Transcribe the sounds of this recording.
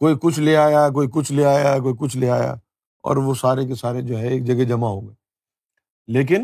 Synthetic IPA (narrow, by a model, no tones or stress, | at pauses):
koːikʊt͡ʃʰleaːjak̬oːikʊt͡ʃʰleaːjak̬oːik̬ʊt͡ʃʰleaːja̰ | ɔ̰ːɾʋosaːɾekesaːɾed͡ʒoːɦɛeːk̚d͡ʒɐɡɛd͡ʒɐmaɦoːɡɐe | leːk̬ɪn